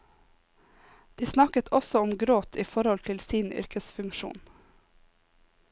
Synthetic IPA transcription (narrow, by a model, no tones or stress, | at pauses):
d̪̥iːsnɑkət̪ʰɔsɔɔmɡɾoːt̪ʰiːfɔɾhɔlt̪ʰɪlsiːnʏ̰ɾkəsfʉŋʃṵːn